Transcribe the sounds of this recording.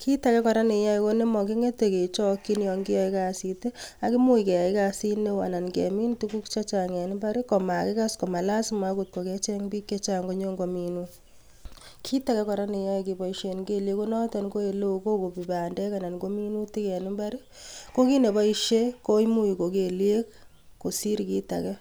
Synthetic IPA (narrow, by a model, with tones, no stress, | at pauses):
kʰi˦ta˨kɛ˦kɔ˨ɾa˦ni˨ja˦i˨ko˦ne˦mɔ˨ki˦ŋe˦te˨ke˨t͡ʃɔ˦kːi˦njɔ˨ŋɡi˦ja˦i˦ka˨si˨te˦a˨ki˦mu˦i˨kɛ˨ja˨i˦ka˨si˦ne˦wa̰˨na˨nkɛ˨mi˦ntu˦ku˦kt͡ʃa˦t͡ʃa˨ŋɛ˨nɪ˦mba˦ɾi˦kɔ˨ma˨kɪ˦ka˦sko˨ma˨la˦sma˦ku˨t̚ko˨kɛ˦t͡ʃɛ˦ŋbi˦kːe˦t͡ʃa˨ŋɡo˦ɲo˦ŋɡo˨mi˨nu˦ | kʰi˦ta˨kɛ˦kɔ˨ɾa˦ni˨ja˦i˨ki˨bɔ˨iʃe˨nɡe˦lje˦ku˦nɔ˦tɛ˨nko˦e˨lo˦u˨ko˦ko˨pi˨ba˨ndɛ˦ka˨na˨nko˦mi˦nu˦ti˦kɛ˨nɪ˦mba˦ɾi˦ | ko˦ki˦ne˨bɔ˦i˦ʃe˦ko˦i˦mu˦i˨ko˨ke˨lje˦k | ko˨si˦ɾki˦ta̰˨kɛ˦